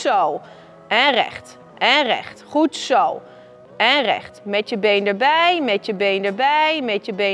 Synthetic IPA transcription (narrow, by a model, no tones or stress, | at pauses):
sow | ɛnrɛ̰χt | ʔɛnrɛ̰χtχutsow | ɛnrɛ̰χtmɛtjəbejndəɹbɛjmɛtjəbejndəɹbɛjmɛtjəbe